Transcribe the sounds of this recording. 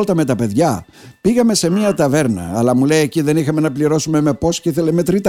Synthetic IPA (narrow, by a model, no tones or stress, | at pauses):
lt̪ɐme̞t̪ɐpe̞ðʝɐ | piɣɐme̞se̞miɐt̪ɐve̞ɾnɐ̰ːlɐmulejeciðe̞nixɐme̞nɐpliɾo̞sume̞me̞po̞sceiθeleme̞t̪ɾit̪